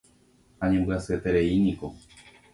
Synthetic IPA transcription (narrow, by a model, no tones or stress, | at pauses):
aɲẽmbɨasɨet̪eɾeiɲĩko